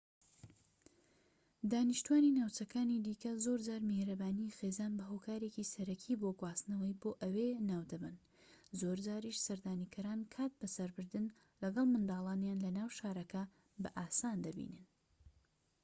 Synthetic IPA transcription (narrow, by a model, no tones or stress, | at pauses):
d̪aːniʃt̪uaːninawt͡ʃɐkaːnid̪iːkɐzoːɾd͡ʒaːɾmehɾɐbaːnijixeːzaːnbɐɦoːkʰaːɾe̞ːcisɐɾɐkʰiboɡwaːst̪nɐwɐjboːʔɐweːnaːwd̪ɐbɨn | zoːɾd͡ʒaːɾiʃsɐɾd̪aːnikʰɐɾaːnkʰaːt̪̚bɐsɐɾbɨɾd̪ɨn | lɐɡɐlˠmɨnd̪aːlˠaːnjaːnlɐnaːwʃaːɾɐkɐ | bɐ̰ʔaːsaːnd̪ɐbḭnɨn